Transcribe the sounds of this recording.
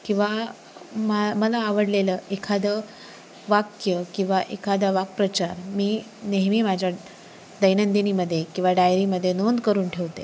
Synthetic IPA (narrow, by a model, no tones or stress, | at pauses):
kĩw̃ʋa | maməlaːʋəɽleləekʰad̪ə | ʋakjəkĩw̃ʋaʔekʰad̪əʋak̚pɾət͡ɕaɾmiː | neɦmiːmad͡ʑʱja | d̪əjnənd̪iniməd̪ʱːjekĩw̃ʋaɖajɾiməd̪ʱːjenond̪kəɾuːnʈʰeʋt̪e